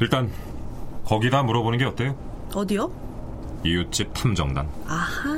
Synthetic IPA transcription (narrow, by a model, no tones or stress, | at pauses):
iɭt͈an | kʌɡidamuɾʌbonɯnŋɡe̞ʌt͈ejo | ʌdijo | ijut͡ɕ͈ʰip̚tʰamd͡ʑʌŋda̰naha